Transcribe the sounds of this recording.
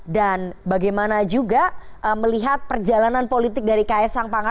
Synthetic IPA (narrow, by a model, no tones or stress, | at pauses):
danbaɡajmanad͡ʒuɡaʔəməliɦat̪̚pərd͡ʒalananpolit̪ɪk̚daɾikaɛsaŋpaŋa